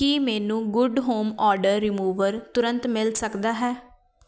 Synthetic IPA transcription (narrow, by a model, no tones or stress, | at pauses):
kiːmɛːnũːɡʊɖɦoːmɔːɾɖəɾːɪmuːʋəɾt̪ʊɾə̃nt̪mɪlsəkd̪aːɦɛː